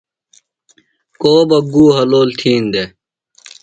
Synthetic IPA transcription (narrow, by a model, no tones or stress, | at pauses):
koːbɐɡuːɦɐloːlt̪ʰiːnd̪e